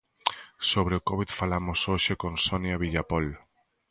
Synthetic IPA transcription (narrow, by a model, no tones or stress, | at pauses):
soβ̞ɾeokoβit̪falamosoʃekonsonjaβ̞iʎapol